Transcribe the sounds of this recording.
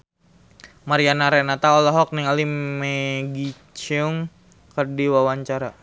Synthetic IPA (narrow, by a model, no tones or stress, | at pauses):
maɾianaɾɛnat̪aɔlɔɦɔk̚niŋalimɛɡi | t͡ʃɛuŋ | kərdiwawaɲt͡ʃaɾa